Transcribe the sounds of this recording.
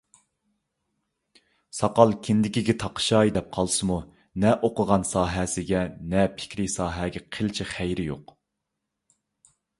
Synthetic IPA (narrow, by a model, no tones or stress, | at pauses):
sɑqɑlˠkʲʰɪnd̪ɪkʲiɡʲɛt̪ʰɑqʰʃɑjd̪ɛp̚qʰɑlˠsɨmu | nɛʔoqʊʁɑnsɑːɦɛsɪɡʲɛnɛpʰɪ̥kʲɾɪsɑːɦɛɡʲɛqʰelt͡ʃʰiχæjɾɪjo̰q